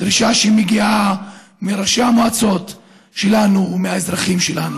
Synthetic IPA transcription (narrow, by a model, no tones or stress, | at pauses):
d̥̪ɾiʃaʃeimeɡia | meɾaʃeamoat͡so̞t̪ | ʃe̞lanuːmeaezʁaχimʃe̞lanu